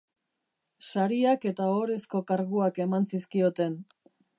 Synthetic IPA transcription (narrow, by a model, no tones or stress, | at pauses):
saɾiake̞t̪aoɾe̞sko̞kaɾɣuake̞mant͡siskio̞t̪e̞n